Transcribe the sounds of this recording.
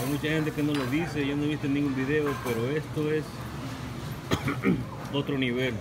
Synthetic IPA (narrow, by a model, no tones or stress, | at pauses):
ajmut͡ʃaxe̞nt̪̬e̞keno̞lo̞ðise̞ʝanoβist̪enĩŋɡumbiðe̞ope̞ɾoe̞st̪oe̞s | ot̪ɾo̞niβe̞l